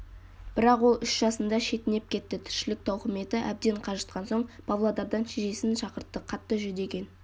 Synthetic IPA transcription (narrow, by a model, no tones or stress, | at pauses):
b̥ɪɾɑqwo̞lˠʏʃʒ̥ɑsənd̪ɑʃe̞t̪ɪne̞p̚kʲʰe̞t̪ːɪt̪ʰʏ̥ɾʃɪlɪk̚t̪ʰɑwqəme̞t̪ɪʔæb̚d̪e̞ɴqʰɑʒət̪̚qɑnso̞ɴpʰɑvlˠod̪ɑɾd̪ɑnʃeʒe̞sɪnʃɑqəɾt̪ːəqʰɑt̪ːəʒʏd̪e̞kʲe̞n